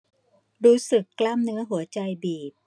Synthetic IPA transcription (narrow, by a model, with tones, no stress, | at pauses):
ɾuː˦˥sɯ˨˩kːlaː˥˩mnɯ˦˥ɐɦu˩˦ɐt͡ɕa˧jbiː˨˩p̚